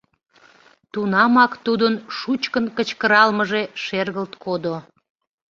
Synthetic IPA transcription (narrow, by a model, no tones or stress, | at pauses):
t̪unɑmɑkt̪ud̪ənʃut͡ɕkənkət͡ɕkəɾɑlməʒe̽ʃerɣəlt̪kʰod̪o